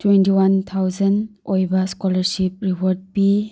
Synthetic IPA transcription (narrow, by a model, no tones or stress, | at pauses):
twentiwant̪ʰawzɐnojbɐskɔlɐɾsip̚ɾipɔɾd̚pi